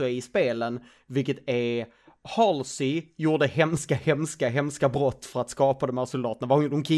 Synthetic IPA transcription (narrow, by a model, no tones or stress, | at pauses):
ɔɪspeːlən | vɪlkːət̪æɾ | hɑlsɪjuːɖəhɛmskahɛmskaɦɛmskabɾɔt̪ːfœɾat̪skɑːpad̪ɔmhæːɾsʊld̪ɑːt̪ənavad̪ɔmkʰɪ